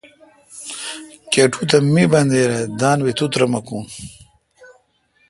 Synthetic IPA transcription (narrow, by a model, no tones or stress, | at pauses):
keʈʰut̪ɐmibɐnd̪eːɾed̪aːnwit̪ut̪ɾɐmɐkũn